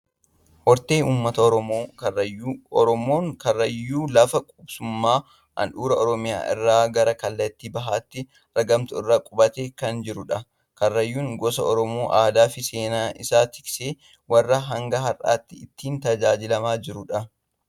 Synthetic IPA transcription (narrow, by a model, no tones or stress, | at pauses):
ʔɔɾt̪eːnuːmːɐt̪ɐɔoːɐɔɾɔmoːŋkɐrːɐjːuːlɐfɐkʼʊbsʊmːaː | ʔɐ̰nᶑuːɾɐɔɾɔmɪja̰ːʔɪ̰rːaːɡɐɾɐkɐlːɐt̪ːiːbɐɦaːt̪ːɪ | ɾɐɡɐmt̪ʊɪrːaːkʼʊbɐt̪eːkɐnd͡ʒɪɾʊᶑɐ | kɐrːɐjːuːŋɡɔsɐɔɾɔmoːʔaːd̪aːfɪseːnaːʔɪ̰saːt̪ɪ̥kseː | wɐrːɐɦɐŋɡɐɦɐrʔa̰ːt̪ːɪɪt̪ːiːnt̪ɐd͡ʒaːd͡ʒɪlɐmaːd͡ʒɪɾʊᶑɐ